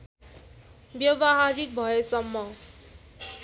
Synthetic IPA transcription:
bjʌbʌɦaɾik̚bʱʌesʌmːʌ

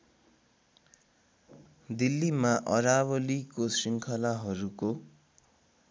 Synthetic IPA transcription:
d̪ilːimaʔʌ̰ɾawʌlikosiŋkʰʌlaɦʌɾuko

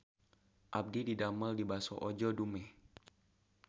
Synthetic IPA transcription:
ʔab̚dididaməldibasɔ̰ʔod͡ʒɔdumɛ

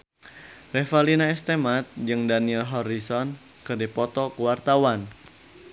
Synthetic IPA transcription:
rɛfalinaɛst̪emat̪̚d͡ʒɨŋdaniɛlɦɔrisɔn | kərdipɔt̪ɔkuwart̪awan

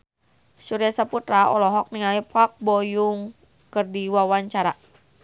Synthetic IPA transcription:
suɾiasaput̪ɾaɔ̰lɔɦɔk̚niŋaliphak̚bɔjuŋ | kɨrdiwawaɲt͡ʃaɾa

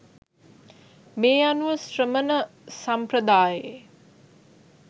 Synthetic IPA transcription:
meːjanuʋəsrəmənəsamprəd̪aːje

